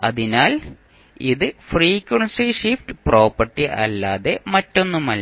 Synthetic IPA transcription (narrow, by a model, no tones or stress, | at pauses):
ɐðinaːl | iðɨfriːkːwɐɳsiʂifʈɨpro̞ːpːɐʈːiʔɐ̰lːaːðe̞mɐtːo̞nːumɐl